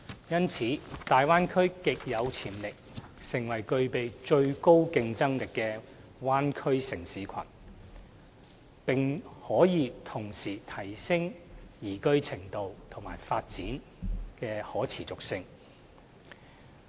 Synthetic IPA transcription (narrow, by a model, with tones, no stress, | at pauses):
jɐ˥nt͡sʰiː˨˥t̪aː˨jwaː˥nkʰɵ˥ɥkɪ˨k̚jɐ˨˧wt͡sʰiː˨˩mlɪ˨k̚sɪ˨˩ŋwɐ˨˩jkɵ˧ɥpe˨jt͡ʃɵ˧ɥko˥wkɪ˧ŋt͡sɐ˥ŋlɪ˨kːɛː˧ | waː˥nkʰɵ˥ɥsɪ˨˩ŋsiː˨˥kʷʰɐ̰˨˩n | pɪ˨ŋhɔː˨˥jiː˨˧t̪ʰʊ˨˩ŋsiː˨˩t̪ʰɐ˨˩jsɪ˥ŋjiː˨˩kɵ˥ɥt͡sʰɪ˨˩ŋt̪o˨˧wt̪ʰʊ˨˩ŋma̰ː˨˩jfaː˧t̚t͡siː˨˥n | kɛː˧hɔː˨˥t͡sʰiː˨˩t͡sʊ˨k̚sɪ˧ŋ